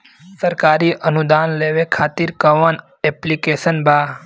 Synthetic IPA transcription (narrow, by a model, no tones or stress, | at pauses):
səɾkaːɾiʔənud̪aːnleːʋekʰaːt̪iɾkəʋən | eplikesənbʱaː